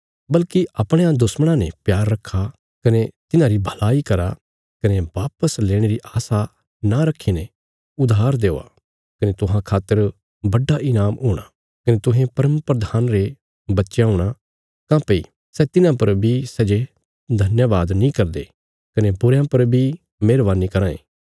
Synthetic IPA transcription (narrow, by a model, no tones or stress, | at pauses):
bɐlkiʔɐpɽ̃eãd̪ʊsməɽ̃ãnepjaːɾːɐkʰːa | kɐnet̪ɪnãɾibʱɐlaːikɐɾa̰ | kɐneʋaːpəsleːɽ̃eɾiʔaːsa | naɾɐkʰːinẽ | ʊd̪ʱaːɾd̪eːo̰a̰ | kɐnet̪ʊɦãkʰaːt̪ːəɾ | bɐɖaʔɪnaːmɦuːɽ̃a | kɐnet̪ʊɦẽpɐɾəmpɾɐd̪ʱaːnɾe | bɐtːʃjãɦʊɽ̃a | kãːpeḭ | sɛt̪ɪnãpɐɾbʱisɛd͡ʒe | d̪ʱɐnjəʋaːd̪nĩkɐɾd̪e | kɐnebʊɾjãpɐɾbʱi | meːɾʋaːnikɐɾãːḛ̃ː